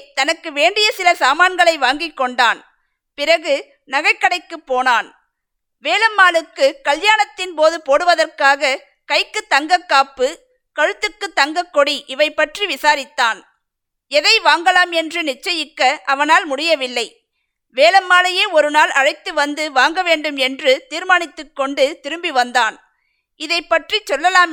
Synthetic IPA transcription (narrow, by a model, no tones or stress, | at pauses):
t̪ɐnɐkːɯʋeːɳɖɪjɐsɪlɐsaːmaːnɡɐɭɐɪʋaːŋɡɪkːɔɳɖaːn | pɪrɐɣɯ | nɐɣɐɪkːɐɽɐɪkːɯpːoːnaːn | ʋeːlɐmːaːlɯkːɯkɐljaːnɐt̪ːɪnpoːðɯpoːɽɯʋɐðɐrkaːɣɐ | kɐɪkːɯt̪ːɐŋɡɐkːaːpːɯ | kɐɻɯt̪ːɯkːɯt̪ːɐŋɡɐkːɔɽiʔɪʋɐɪpːɐʈriʋɪsaːɾɪt̪ːaːn | ɛðɐɪʋaːŋɡɐlaːmɛndrɯnɪt͡ʃːɐjɪkːɐʔɐʋɐnaːlmʊɽɪjɐʋɪlːɐɪ | ʋeːlɐmːaːlɐjeːɔɾɯnaːlɐɻɐɪt̪ːɯʋɐnd̪ɯʋaːŋɡɐʋeːɳɖɯmɛndrɯt̪iːɾmaːnɪt̪ːɯkːɔɳɖɯt̪ɪɾɯmbiʋɐnd̪aːn | ɪðɐɪpːɐʈrit͡ʃɔlːɐlaːm